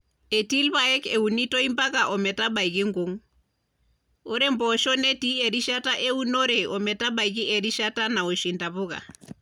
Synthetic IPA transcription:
e˨ti˦lβaɛ˦ke˨u˨ni˦to˦i˦mba˦ka˨ʔɔ˨mɛ˨ta˦ba˨i˨ɣi˦ŋɡo˦ŋ | o˦ɾɛ˦mbɔ˨ʃɔ˦ne˦ti˦e˨ɾi˦ʃa˦ta˦ʔe˦u˦no˦ɾe˨ɔ˨mɛ˨ta˦ɓa˨iɣi˦ʔɛ˨ɾi˦ʃa˦ta˦na˨o˨ʃi˨nda˨βʊ˦ɣa̰˨

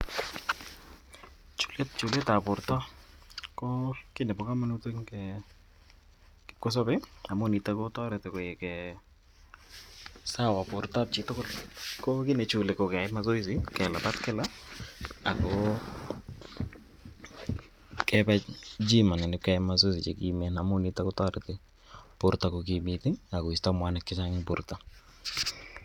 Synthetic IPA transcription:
t͡ʃu̥˨le˦t̚t͡ʃʊ˨le˦ta˨pʊ˨ɾtɔ˦ | ko˦kɪ˦nɛ˨pɔ˨ka˦ma˦nu˦te˦ŋkɛ | kɪ˨p̚kɔ˦s̬ɔ˦pɪ˦a˨mʊ˦˨ni˨ta˦ko˦tɔ˦ɾɛtɪ˨ko˨je˨kɛ | sa˦wa˨pʊ˨ɾta˦p̚t͡ʃɪ˨tʊ˦kʊ˦lko˦kɪ˦ne˨t͡ʃʊ˨le˨ko˨ka˨ɪma˦s̬o˦is̬ɪ˦kɛ˨la˨pa˦tkɪ˦la | a̰˨kɔ | kɛpad͡ʒi˦ma˨nɛ˨nɪ˨kːa˦ɪmas̬o˦isɪ˨t͡ʃe˨kimɛ˦na˨mo˦nita˦kotɔ˦ɾɪtɪ | pʊ˦ɾta˨kok̬imɪtɪ˦a˨ko˨i˨sta˦mwa˦nɛ˨kːɪt͡ʃa˦ŋɪ˦pʊɾta

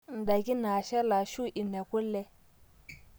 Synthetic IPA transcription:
n̩˨da˨ɡi˦na˨ʃe˦la˨ʃu˦ʔi˨nːe˨ku˦lːe˦

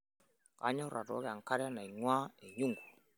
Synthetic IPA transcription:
ka˨˦ɲɔ˦ɾʔa̰˨tɔ̰˨˦kɛ˨a˨ŋka˦ɾa˦na˨i˨ŋwa˦e˨ɲu˦ŋɡu̥˨

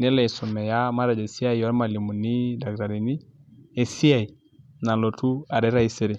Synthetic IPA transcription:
nɛ˦lɛ˨ɛ˨sɔ˨mɛ˨ja˦ma˦ɾa˨d͡ʒa˨si˦a˦jɔ˦ɾma˨li˨mu˨ni˦da˨ɡɾa˨ɾi˨ni˦ɛ˨si˦a˨i˨ | na˨lɔ˨tʰu˦a˨ɾɛ˦ɾa˦i˦sɪ˦ɾɪ˨

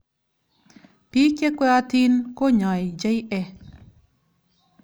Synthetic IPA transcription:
pi˦ke˦kʷwɛ˦a˧t̪i˦nko˦ɲɔ˨jd͡ʒe˦jɛ˧

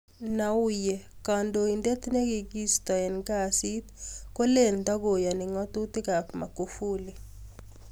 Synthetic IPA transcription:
na˨u˦je˨ka˨ndo˨i˨nde˦t̪ne˦ɡi˨ɡi˦st̪ɔ˨ɛ˨nɡa˦si˦t̪ko˦le˦˨nd̪a˦ɡo˨ja˨ni˨ŋɔ˦t̪u˦t̪i˦ka˨pma̰˨ko˨fu˦li˨

